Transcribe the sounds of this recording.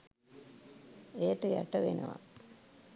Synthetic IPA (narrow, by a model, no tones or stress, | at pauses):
ejəʈəja̰ʈəʋenə̰ʋa̰